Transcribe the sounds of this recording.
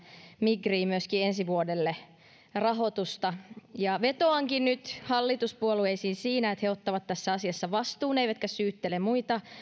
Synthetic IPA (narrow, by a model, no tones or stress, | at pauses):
miɡriːmyøskiensiʋuodelːe | rɑɦo̞t̪ust̪ɑjɑʋet̪oɑŋkinnyt̪hɑlːit̪uspuolueisiːnsiːnæet̪heot̪ːɑʋɑt̪tːæsːæɑsiɑsːɑʋɑst̪uːneiʋæt̪kæssyːt̪ːelemmuit̪ɑ